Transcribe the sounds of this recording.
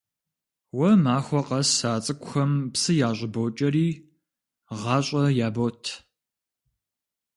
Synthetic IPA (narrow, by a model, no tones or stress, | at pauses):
wɐmaːxʷɔqɐsaːt͡sʼɨkʷʼxɐmpsɨjaːɕʷʼɪboːt͡ʃʼɐɾiː | ʁɑːɕʼɐjaːbotʰ